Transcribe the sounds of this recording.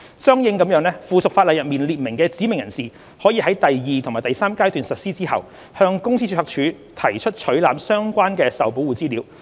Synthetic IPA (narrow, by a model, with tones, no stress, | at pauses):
sœː˥ŋjɪ˧ŋkɐ˨˥mjœː˨˧˥ŋlɛː˥fuː˨sʊ˨k̚faː˧lɐ˨jɐ˨t̚miː˨˩nliː˨t̚mɪ˨˩ŋkɛː˧t͡siː˨˥mɪ˨ŋjɐ˨˩nsiː˨˩ | hɔː˨˥jiː˨˧hɐ˨˥jt̪ɐ˨jːiː˨t̪ʰʊ˨˩ŋmaː˨˩t̪jsaː˥mkaː˥jt̪yː˨nsɐ˨t̚siː˥t͡siː˥hɐ̰˨w | hœː˧ŋkʊ˥ŋsi˥y˥hɐː˧˥k̚t͡ʃʰyː˨˥ | t̪ʰɐ˨˩jt͡ʃʰɵ˥t̚t͡ʃʰɵ˨˥ɥlaː˨˧˥msœː˥ŋkʷaː˥nkɛː˧sɐ˨˩wpo˨˥wuː˨˩t͡siː˥liː˨˥w